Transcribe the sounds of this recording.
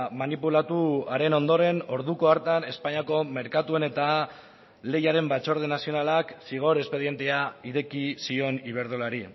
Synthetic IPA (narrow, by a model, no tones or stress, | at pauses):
manipulat̪uaɾe̞no̞nd̪o̞ɾe̞no̞ɾðuko̞aɾt̪ane̞spaɲako̞me̞ɾkat̪ue̞ne̞t̪a | le̞jaɾe̞mbat͡ʃo̞ɾð̞enasio̞nalaksiɣ̞o̞ɾe̞spe̞ðje̞nt̪e̞aiɾe̞kisio̞niβ̞e̞ɾð̞o̞laɾi